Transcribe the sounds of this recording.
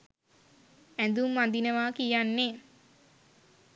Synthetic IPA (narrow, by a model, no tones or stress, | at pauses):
ænd̪umːand̪inəʋaːkijanːe